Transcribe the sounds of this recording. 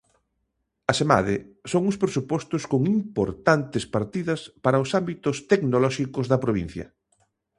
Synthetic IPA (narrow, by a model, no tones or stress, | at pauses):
ɐsema̰ðɪsoŋʊspɾesupɔst̪ʊskoŋimpoɾt̪ant̪ɪspaɾt̪iðɐspaɾɐʊsambit̪ʊst̪eknolɔʃikʊzðɐpɾoβ̞ḭ̃n̟θjɐ̰